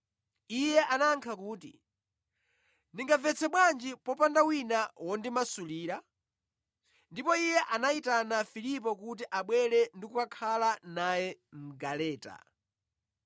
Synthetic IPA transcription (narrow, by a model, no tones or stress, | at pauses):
ijɛʔanaŋkʰakuːtḭ | niŋɡavɛt͡sʰɛɓwand͡ʒipɔpandawinawɔndimasuliːɾa | ndipɔijɛʔanaitanafilip̬ɔkut̬iʔaɓwɛɾɛndikukakʰalanajɛm̩ɡalɛːta̰